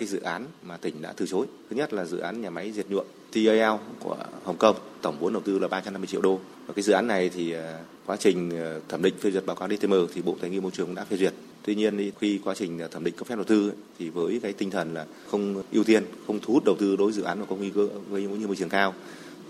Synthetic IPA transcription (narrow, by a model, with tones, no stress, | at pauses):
kaː˨˦jzɨ̰˧˨ʔaː˨˦nmaː˨˩t̪ï˧˩ŋ̟ɗa̰ː˧˥t̪ɨ˨˩t͡ɕo˨˦jt̪ʰɨ˦˥ɲə˦˥t̚laː˨˩zɨ̰˧˨ʔaː˨˦nɲaː˨˩ma˨˦jzi˨˩ət̚ɲṵ˧˨ən | t̪ʰi˨˧˩ʔə˧ʔɛ˧wkɔ̰˧˩əhə˨˩wŋ͡mkə˧mt̪ə˧˩ŋ͡mvu˨˦ənɗə˨˩wt̪ɨ˧laː˨˩ɓaː˧t͡ɕa˧mna˧mɨ˧t͡ɕi˧ə˨wɗo˧ | vaː˨˩kaː˨˦zɨ̰˧˨ʔːnːa˨˩jt̪ʰi˨˩ | kwaː˨˦t͡ɕï˨˩ŋ̟˩t̪ʰəː˧˩mɗḭ˧˨ŋ̟fe˧zi˨˩t̚ɓaː˨˦wkaː˨˦wɗi˧e˧məː˧˩t̪ʰi˨˩ɓo̰˧˨t̪aː˨˩jŋi˧mo˧jt͡ɕɨ˨˩əŋɗa̰ː˧˥fe˧zwi˨˩ət̚ | t̪wi˧ɲi˧əni˧xi˧kwaː˨˦t͡ɕï˨˩ŋ̟˨˩t̪ʰə˧˩mɗḭ˧˨ŋkːf̚ɗə˨˩wt̪ɨ˧ | t̪ʰi˨˩vəː˨˦jkaː˨˦jt̪i˧ŋt̪ʰə˨˩nlaː˨˩ | xə˧wŋ͡mʔi˧wt̪i˧ənxə˧wŋ͡mt̪ʰu˨˦u˦˥t̚ɗə˨˩wt̪ɨ˧ɗo˨˦jzɨ̰˧˨ʔaː˨˦maː˨˩kwŋi˧kəː˧vəː˨˦jɨ̰˧˦˧ɲ˧mo˧t͡ɕɨ˨˩əŋkaː˧w